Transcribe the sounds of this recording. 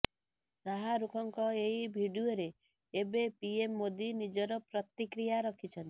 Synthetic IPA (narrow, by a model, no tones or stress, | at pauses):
saɦaɾukʰɔŋkɔeibʱiɖioɾeː | bepiemːod̪inid͡ʒɔɾɔpɾɔt̪ikɾijaɾɔkʰit͡ʃʰɔnt̪i̥